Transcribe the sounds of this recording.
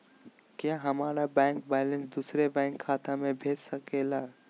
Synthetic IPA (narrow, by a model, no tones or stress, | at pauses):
kjaɦɐmaːɾabɛ̃ːŋkbɛːlənsd̪uːsɾebɛ̃ːŋkʰːaːt̪amẽbʱeːd͡ʒsəkeːla